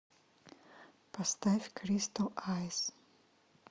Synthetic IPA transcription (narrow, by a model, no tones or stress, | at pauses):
pɐst̪afʲkʰɾʲist̪ɐlajs